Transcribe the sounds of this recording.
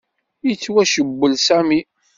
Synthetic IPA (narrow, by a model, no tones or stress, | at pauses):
jət͡sːwæʃəbːəlsæmi